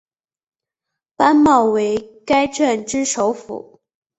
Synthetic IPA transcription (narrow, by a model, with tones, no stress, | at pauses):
pa˥nmɑ˥˩ʊwe˧˥ɪka˥ɪʈ͡ʂə˥˩nʈ͡ʂɻ̩˥ʂo˧˥ʊfṵ˨˩˦